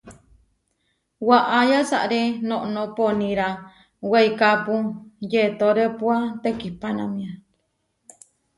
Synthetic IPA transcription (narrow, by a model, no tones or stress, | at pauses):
waʔajasa̰ʔɾenõʔnõponĩɾa | weikapujet̪oɾepuat̪ekipanãmĩã